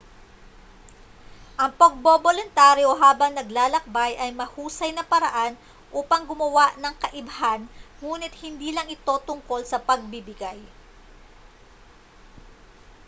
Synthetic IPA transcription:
ʔɐŋpɐɡ̚bobolʊnt̪aːɾjoɦaːbɐŋnɐɡlaːlɐk̚bajʔɐjmɐhuːsɐjnɐpɐɾɐ̰ʔan | ʔuːpɐŋɡʊmɐwaʔnɐŋkɐʔɪbɐhanŋuːnɪt̪̚hɪnd̪iːlɐŋʔɪt̪o̞t̪ʊŋko̞lsɐpɐɡ̚bibɪɡaj

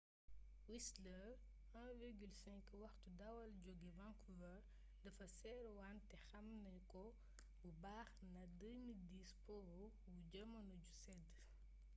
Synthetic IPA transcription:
wislə | ʔɛ̃ːviɾɡylsɛ̃ŋkwɐxtudɐwɐlɟɔɡivaŋkuvɐ | dɐfɐsɛːɾwantɛxɐmnɐjkɔ | bubaːxnɐdəmildiːspɔːɾu | buɟəmɐnuɟusɛd

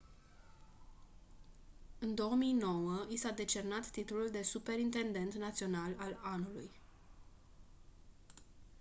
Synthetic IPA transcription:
ɨnd̪o̞əmijno̞wəisad̪e̞t͡ʃe̞rnat̪ːit̪ululd̪e̞supe̞ɾint̪e̞nd̪e̞nt̪nat̪sio̞nalalanuluj

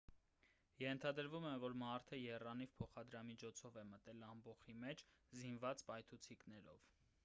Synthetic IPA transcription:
jɛnt̪ʰɑd̪əɾvumɛvɔɾmɑɾt̪ʰəjɛrɑnivpʰɔχɑd̪ɾɑmit͡ʃʰɔt͡sʰɔvɛmət̪ɛlɑmbɔχimɛt͡ʃʰzinvɑt͡spɑjt̪ʰut͡sʰiknɛɾɔ̰v

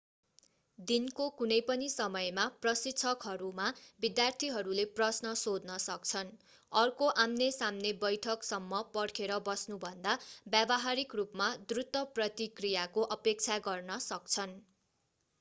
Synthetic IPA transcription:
d̪inkokunʌjpʌnisʌmʌjmaprʌsit̪ːt͡sʰʌkɦʌɾumabid̪jart̪ʰiɦʌɾuleprʌsnʌsod̪nʌsʌkt͡sʰʌn | ʌrkoʔamnesamnebʌjʈʰʌksʌmːʌpʌrkʰeɾʌbʌsnubʱʌnd̪abjabʌɦaɾikrupmad̪rut̪ːʌprʌt̪ikrijakoʔʌpek̚t͡sʰaɡʌrnʌsʌkt͡sʰʌn

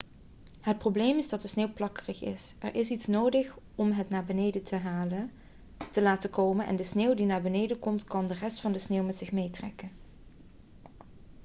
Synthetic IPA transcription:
ɦət̚prowblejmɪzdɑt̚dəsneːwplɑkərəxɪ̰sɛ̰ɹʔɪsitsnowdəχ | ɔmɦətnaːɹbənejdətʰəɦaːlə | təlaːtəkowmənʔɛ̰ndəsneːwdinaːɹbənejdəkɔmtkɑndərɛstfɑndəsneːwmɛtsɪχmejtrɛ̰kən

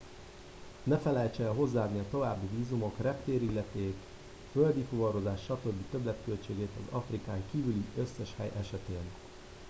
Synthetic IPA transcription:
nɛfɛlɛjt͡ʃɛːlɦo̞zːaːd̪niɒt̪o̞vaːbːiviːzumo̞krɛpt̪eːɾilːɛt̪eːk | fø̞ld̪ifuvɒɾo̞zaːʃːɒt̪øːbːit̪ø̞blɛt̪kølt͡ʃeːɡeːt̪ɒzɒfrikaːŋkiːvyliʔø̞sːɛʃhɛ̰jʔɛʃɛt̪eːn

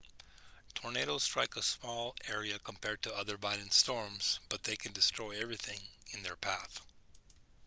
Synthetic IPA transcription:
tʰɔɹneɪɾoʊz̥stɹ̥aɪkəsmɔlˠɛɹiɨkʰə̃mpʰɛɹd̚tʰɨʌðə˞vaɪɾɨ̃n̩stɔɹmz̥b̥ʌt̪̚ðeɪkʰɨ̃ndɨstɹ̥ɔɪɛvɹiθɪ̃ŋɨ̃nðə˞pʰæθ

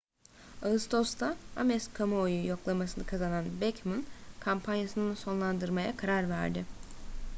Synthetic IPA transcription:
aɯst̪ʰo̞st̪ʰaamɛskʰamoːjujo̞klˠamasɯnɯkʰazananbɛcmɯnkʰampʰanjasɯnɯnso̞nlˠand̪ɯɾmajakʰaɾaɾvæ̰ɾd̪ɪ

